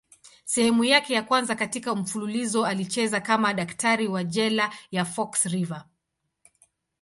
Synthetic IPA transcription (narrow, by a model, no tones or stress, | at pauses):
sɛhɛmujakɛjakwanzakatikam̩fululizɔalit͡ʃɛzakamaɗaktaɾiwaʄɛlajafɔksɾiva